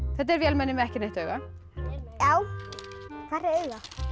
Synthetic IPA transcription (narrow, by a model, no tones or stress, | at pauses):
θɛht̪̬ɛɾvjɛːlmɛnːɪmɛɛhcɪnejht̪œːɥɣa | jaːw | kʰaɾaɾœːɥɣa